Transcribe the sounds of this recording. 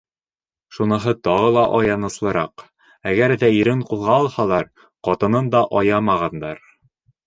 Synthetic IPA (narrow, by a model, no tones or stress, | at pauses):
ʃunɤ̆ɦɤt̪ɒʁɤlˠɑʔɒjɑnɤ̆slˠɤ̆ɾɑ̰q | æɡæɾðæiɾɘɴqulˠʁɑɒlˠhɑlˠɑɾ | qɒt̪ɤ̆nɤnd̪ɑʔɒjɑmɑʁɑnd̪ɑɾ